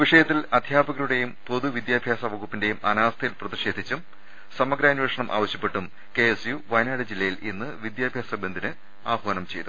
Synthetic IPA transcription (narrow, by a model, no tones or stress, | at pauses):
ʋiʂɐjɐt̪ːilɐd̪ʱjaːbɐɣɐɾuɽe̞jumpo̞ðuʋid̪jaːbʱjaːsɐʋɐɣupːinde̞jumɐ̰naːʋɐst̪ʰɐjilprɐðiʂe̞ːd̪ʱit͡ɕːum | sɐmɐɡɾaːnʋeʂɐɳɐmʔa̰ːʋɐɕjɐpːe̞ʈːum | ke̞esjuʋɐjnaːɽɨd͡ʑilːɐjilinːɨʋid̪jaːbʱjaːsɐbend̪ʱinɨ | aːbʋɐnɐmt͡ɕe̞jt̪u